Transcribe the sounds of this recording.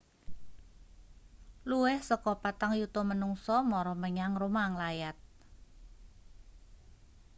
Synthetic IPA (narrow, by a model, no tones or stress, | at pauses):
luwɛhsɔkɔpat̪aŋjut̪ɔmənuŋsɔmɔɾɔməɲaŋrumaŋlajat̪̚